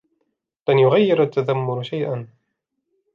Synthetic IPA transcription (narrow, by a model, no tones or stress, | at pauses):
lanjʊɣajːɪɾat̪ːaðamːʊɾʃajʔan